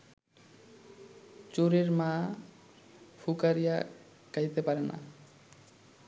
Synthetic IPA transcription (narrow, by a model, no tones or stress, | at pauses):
t͡ɕoɾeɾmã | fʰukaɾija | kaɦjt̪epaɾena̰